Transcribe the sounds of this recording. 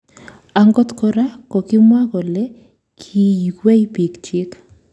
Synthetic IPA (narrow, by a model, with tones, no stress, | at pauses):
a˨ŋɡɔ˦t̪kɔ˨ɾa˦kɔ˨kɪ˦mwa˦kɔ˨lɛ˦ | kʰi˦ji˨kwe˦ipi˨kt͡ʃɪ˦k